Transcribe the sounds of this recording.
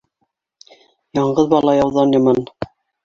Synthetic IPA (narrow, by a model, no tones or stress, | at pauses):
jɑɴɢɤðbɑlˠɑjɑwðɑnjɑmɑn